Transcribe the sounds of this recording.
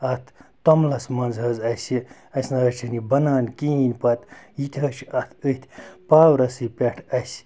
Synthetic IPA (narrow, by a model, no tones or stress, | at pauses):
ɐt̪ʰt̪omlɐsmɐnzɦɐzɐsi | ɐsnɐɦɐt͡ʃʰinibɐnaːnkiinʲpɐt̪jit̪ʰʲɐt͡ʃʰɐt̪ʰət̪ʰʲpaːwɾɐsɨpʲeʈʰɐsʲ